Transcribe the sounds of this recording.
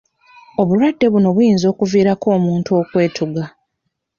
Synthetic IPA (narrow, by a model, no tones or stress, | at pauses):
o̞βulwadːe̞βuno̞βujiːnzo̞ːkuviːɾako̞ːmuːntuo̞kwe̞ːtʰuɡa